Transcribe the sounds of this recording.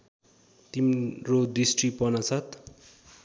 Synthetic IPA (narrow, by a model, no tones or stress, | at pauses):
t̪imrod̪isʈripʌnʌt͡sʰʌt̪